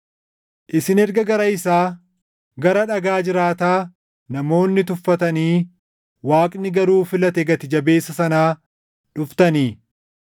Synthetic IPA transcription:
ʔɪsɪnɛɾɡɐɡɐɾɐɪsaː | ɡɐɾɐᶑɐɡaːd͡ʒɪɾaːt̪aː | nɐmo̞ːnːɪt̪ʊfːɐt̪ɐniː | waːkʼnɪɡɐɾuːfɪlɐt̪ɛɡɐt̪ɪd͡ʒɐbe̞ːsːɐsɐnaː | ᶑʊft̪ɐniː

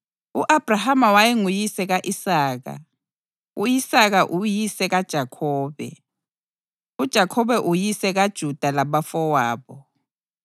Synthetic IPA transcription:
uʔab̥ʱrahamawajiŋujisɛɣaʔisaːɣa̰ | uisaɣ̬aʔujisɛɣad̥ʒ̥ʱakʰɔːβɛ̰ | ud̥ʒ̥ʱakʰɔβɛʔujisɛɣad̥ʒ̥ʱud̥ʱalaβafɔwaːβɔ

